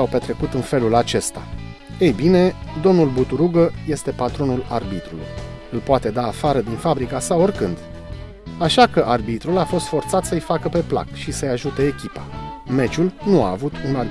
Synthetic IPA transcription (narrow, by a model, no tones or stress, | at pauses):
awpe̞t̪ɾe̞kut̪ɨnfe̞lulat͡ʃe̞st̪a̰ | ejbine̞d̪o̞mnulbut̪uɾuɡəje̞st̪e̞pat̪ɾo̞nula̰rbit̪ɾulṵj | ɨlpoat̪e̞d̪aːfaɾəd̪infabɾikasao̞rkɨnd̪ | aʃakəʔarbit̪ɾulafo̞st̪fo̞rt̪sat̪səɨjfakəpe̞pla̰kʃisəjaʒut̪e̞ːkʲipame̞t͡ʃulnua̰ːvut̪una